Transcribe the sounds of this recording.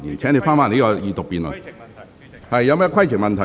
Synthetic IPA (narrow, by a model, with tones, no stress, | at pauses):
ḭ˨nt͡ɕʰɛ̃˧˦˥ni˧faː˥˨ma˧˨˧i˦ɔ˧˩ʔi˧t̪o˨˩pi˧nɔ̰˨˩n | ha˧˩jja˧˦m˦˧˦kʰwa˥˩˨t͡ɕʰi˨˩ma˧nt̪ʰa˨